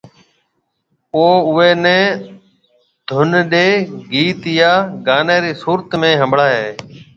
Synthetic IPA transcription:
oːʊʋeːnɛ̃ː | d̪̥ʱʊnɗeːɡiːt̪jaːɡaːneːɾiːsuːɾət̪mẽːɦəmbɽaːɦeː

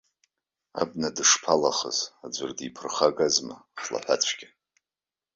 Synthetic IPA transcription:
a̰bnadɨʂpʰalaχə̰zad͡ʒʷʊrdipʰɨrχaɡazmaχla̰ħʷa̰t͡ɕʷʰɡʲɪ

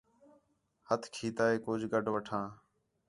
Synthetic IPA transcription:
hət̪ʰkʰiːt̪aːeːkoːd͡ʒʱɡəɖʱʋəʈʰãː

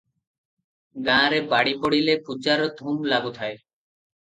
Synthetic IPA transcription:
ɡãɾebaɽipoɽilepud͡ʑaɾɔd̪ʱumlaɡut̪ʰae

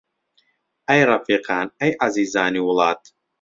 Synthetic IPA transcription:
ʔajɾˤɑfiːqɑːnʔajʕaziːzaːniwʊlɑːt̪

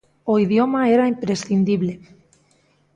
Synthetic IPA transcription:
oiðjomaeɾaimpɾesθind̪iβle

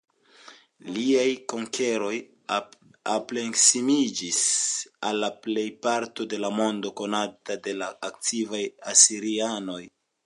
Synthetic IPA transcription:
liajko̞ŋke̞ɾo̞j | aple̞ŋksimid͡ʒisalːaple̞jpaɾto̞de̞lamo̞ndo̞ko̞natade̞laːk̚tʰivajasiɾiano̞j

